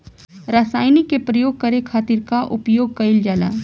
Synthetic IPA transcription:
ɾasaːɪnikepɾɐjoːɡ̚kɐɾekʰaːt̪ɪɾkaʔʊpjoːɡ̚kɐɪld͡ʒaːla̰

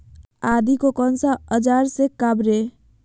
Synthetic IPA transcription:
ad̪ikokɔnsaəd͡ʒaɾsekabɾe

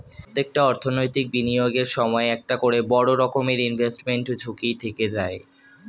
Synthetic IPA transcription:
t̪ːek̚ʈaɔɾt̪ʰonojt̪ik̚binijoɡeɾʃɔmɔeɛk̚ʈakoɽebɔɽoɾɔkomeɾinbʱesʈmeɳʈd͡ʑʱukit̪ʰeked͡ʑae

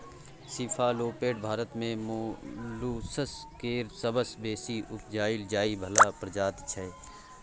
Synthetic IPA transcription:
sifʰaːloːpeːʈ̚bʱaːɾət̪mẽmluːsəskeːɾsəbəsbeːsiʔʊpʰd͡ʒaːɪld͡ʒaːibʱɐlaːpɾəd͡ʒaːt̪t͡ʃʰɛː

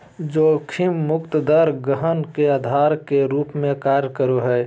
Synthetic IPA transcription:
d͡ʒoːkʰimːʊkt̪d̪əɾɡəɦənkeaːd̪ʱaːɾkeɾuːpmẽkaːɾjkəɾoɦɛː

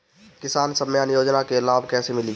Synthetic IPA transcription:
kɪsaːnsəmjanjoːd͡ʒnakelaːbkɛːsemɪli

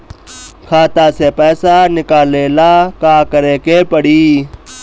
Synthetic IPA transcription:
kʰaːt̪aːseːpɛːsaːnɪkaːleːlaːkaːkəɾẽːkepəɽiː

